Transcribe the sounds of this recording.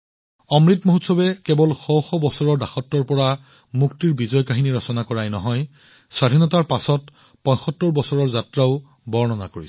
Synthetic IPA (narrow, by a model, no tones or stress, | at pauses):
ɔmɹitmoɦutsɔbɛkɛbɔlxowxɔbɔsɔɹɔɹdaxɔtːɔɹpɔɹa | muktiɹbizɔjkaɦiniɹɔsɔnakɔɹajnɔɦɔj | swadʱinɔtaɹpasɔt | pɔ̃j̃xɔtːɔɹbɔsɔɹɔɹzatɹaʊ | bɔɹnɔnakoɹi